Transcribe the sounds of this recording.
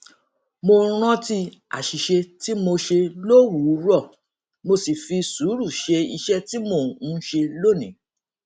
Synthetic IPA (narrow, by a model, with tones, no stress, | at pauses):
mõ˧ɾ̃ɔ̃˦ti˧ | a̰˨ʃi˨ʃe˧ti˦mo˧ʃe˧lo˦˨wu˨˦ɾɔ˦˨ | mo˧si˨fi˧su˨˦ɾu˦˨ʃe˧ḭ˧ʃɛ˦ti˦mõ˦˨˦ʃe˧lo˦˨nĩ˨˦